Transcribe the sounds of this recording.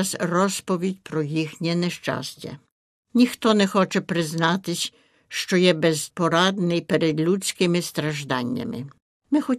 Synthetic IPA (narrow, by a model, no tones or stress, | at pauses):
sɾɔspɔʋʲjetʲpɾɔjixnʲɛnɛʃt͡ʃa̰sʲt͡ɕʲɛ̰ | nʲixt̪ɔnɛxɔt͡ʃɛpɾɪznat̪ɪsʲ | ʃt͡ʃɔjɛbɛzpɔɾad̪nɪjpɛɾɛd̪lʲut͡ssʲkɪmɪst̪ɾaʒd̪anʲːɪ̰mɪ̰ | mɪxɔ